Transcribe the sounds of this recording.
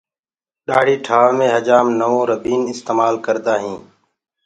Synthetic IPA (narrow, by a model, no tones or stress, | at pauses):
ɗaːɽ̤iːʈʰaːʋmẽːɦəd͡ʒaːmnəʋõːɾəbʱiːnɪst̪eːmaːlkəɾd̪aːɦĩː